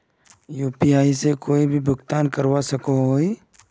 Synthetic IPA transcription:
juːpiaːisekoːibʱibʱʊɡt̪aːnkɐɾwasɐkoɦoi

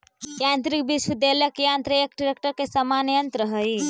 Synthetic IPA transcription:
jãːnt̪ɾik̚biʃwəd̪eləkjãːnt̪ɾəekɖiɾekʈəɾkesɐmanjənt̪ɾəɦəi

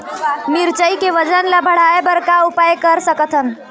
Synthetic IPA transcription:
miɾt͡ʃəikeʋəd͡ʒənlabʱəɽ̤aebəɾkaupajkəɾsəkət̪ʰən

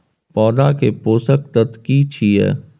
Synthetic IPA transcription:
pɔːd̪akepoːsək̚t̪ət̪kiːt͡ʃʰiɛ̰ː

